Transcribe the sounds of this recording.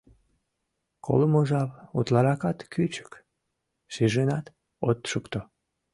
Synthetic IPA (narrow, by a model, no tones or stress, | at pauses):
kʰo̰ləmoʒɑβut̪lɑɾɑkɑt̪kyt͡ɕə̥k | ʃeʒenɑt̪ | ot̪ʃukt̪o